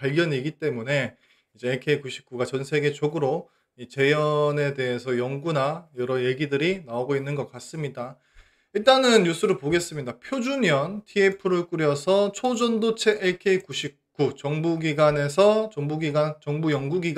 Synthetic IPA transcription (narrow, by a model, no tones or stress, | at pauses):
paɭɡjʌɲiɡit͈e̞mune̞ | id͡ʑe̞ːkʰeikuɕʰi̥p̚k͈uɡat͡ɕʌnsʰe̞ɡe̞t͡ɕoɡɯɾo | it͡ɕe̞jʌne̞de̞ɦe̞sʰʌjʌŋɡunajʌɾʌje̞ɡidɯɾinaoɡoinːɯnɡʌk͈as͈ɯmɲida | iɭt͈anɯnjusʰɯɾɯɭpoɡe̞s͈ɯmɲidapʰjod͡ʑuɲjʌntʰiepʰɯɾɯɭk͈uɾjʌsʰʌt͡ɕʰod͡ʑʌndot͡ɕʰe̞ʔːkʰeikuɕʰip̚k͈ut͡ɕʌŋbuɡiɡane̞s̬ʰʌt͡ɕʌŋbuɡiɡant͡ɕʌŋbujʌŋɡuɡiɡ